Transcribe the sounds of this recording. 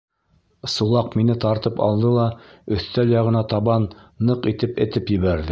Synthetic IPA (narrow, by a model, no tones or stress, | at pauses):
sulˠɑqminɘt̪ɑɾt̪ɤpɑ̰lˠd̪ɤlˠɑɵ̆θt̪æljɑʁɤ̆nɑt̪ɑβɑnːɤqit̪ɘpɘ̆t̪ɘpjɘ̆βæɾðɘ